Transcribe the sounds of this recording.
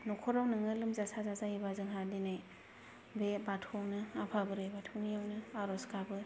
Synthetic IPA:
nɔkʰɔɾawnɯŋɯlɯmzasazazahibazɯŋɦadinaj | bebatʰawnɯapʰabɯɾejbatʰɯwnijawnɯaɾɔskabɯ

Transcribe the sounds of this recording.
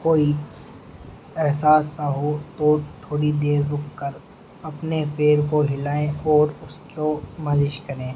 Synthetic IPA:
koːiːʈs | ɛɦsaːsːɐɦot̪oːɾt̪ʰoːɽid̪eːɾːʊkkəɾ | ɐpnepʰeːɾkoɦɪlaːẽɔːɾʊskomɐd͡ʒɪʃkɐɾẽː

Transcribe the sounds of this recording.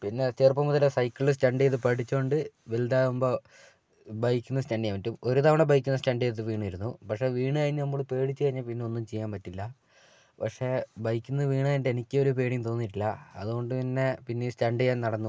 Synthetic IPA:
pinːe̞t͡ɕeːrpɐmuðɐlesɐjkʲːɐɭɭɨstɐɳɖijðɨpɐʈit͡ɕːoːɳɖɨʋeld̪aːumbo | bɐjkʲːunːɐstɐɳɖijaʋitːumo̞ɾut̪ɐʋɐɳebɐjkʲːunːɐstɐɳɖijet̪ːɨʋiːɳuiɾunːupɐkʂe̞ʋiːɳɨkɐɻiɲːɐnɐmːuɭpe̞ːɽit͡ɕːɨkɐɻiɲːapinːeo̞nːumt͡ɕejːaːmpɐtːilːɐ | pɐkʂe̞bɐjkʲːunːɐʋiːɳɐjnʈːenikʲːɨo̞ɾup̬eːɽiŋt̪o̞ːnːiʈ̬ːilːɐɐ̰ðuɣo̞ɳɖɨpinːe̞pinːeistɐɳɖijaːnnɐɽɐnːu

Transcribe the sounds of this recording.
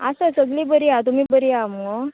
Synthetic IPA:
asəsəɡliːbəɾiat̪̬um̤iːbəɾiamo

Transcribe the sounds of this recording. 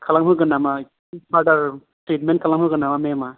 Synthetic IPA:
kʰalaŋpʰɯɡɯnama | badaɾstet̚ment̚kʰalaŋpʰɯɡɯnamamema

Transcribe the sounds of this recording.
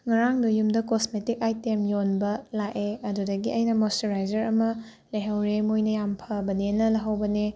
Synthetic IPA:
ŋɐɾaŋdujumdɐkosmetikajtemjonbɐlaʔeɐdudɐɡiɐjnɐmosteɾajd͡ʒɐɾɐmɐ | lɐjɦɐwɾemojnɐjampʰɐbɐnenɐlɐɦɐwbɐne

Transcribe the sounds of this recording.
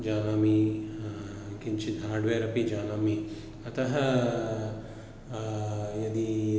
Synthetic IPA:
d͡ʒaːnaːmi | kiɲt͡ʃid̪ʱaːɾɖʋeːɾɐpid͡ʒaːnaːmi | ɐt̪ɐɦɐ | jɐd̪i

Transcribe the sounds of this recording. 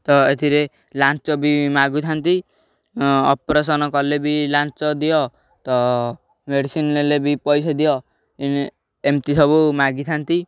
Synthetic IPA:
t̪ɔet̪ʰiɾe | lant͡ʃɔbimaɡut̪ʰant̪i | ɔ̰pɾes̬ɔnɔkɔlebilant͡ʃɔd̪ijɔ | t̪ɔ | meɖisinlelebipɔjsɔd̪ijɔ | in | emʈisɔbumaɡit̪ʰant̪i

